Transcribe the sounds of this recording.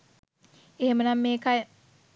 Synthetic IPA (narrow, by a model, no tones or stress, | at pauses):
ehemənamːeːkae